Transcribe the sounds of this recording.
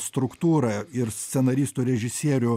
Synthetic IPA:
st̪ɾʊkt̪uːɾɐɪɾsʲt̪ʲsʲɛnɐɾʲiːst̪uːɾʲɛʒʲɪsʲiɛɾʲʊ

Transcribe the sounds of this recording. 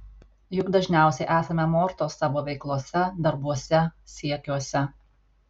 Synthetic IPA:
jʊɡd̪ɐʒʲnʲæˑʊsʲɛɪʔæːsɐmʲɛmoːɾt̪oːsːɑːʋoːʋʲɛɪklˠuɔsʲɛd̪ɐɾbuɔsʲɛsʲiɛkʲuɔsʲɛ

